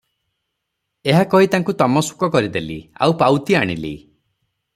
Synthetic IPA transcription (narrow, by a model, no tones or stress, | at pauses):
eɦakɔɦit̪aŋkut̪ɔmɔsu̥kɔkɔɾid̪elḭa̰upawt̪iaɽ̃ḭlḭ